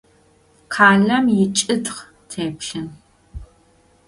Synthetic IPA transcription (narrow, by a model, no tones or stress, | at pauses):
qʰaːɮɐmjɪt͡ʃʼɨdχ | tʰeːpɬɨn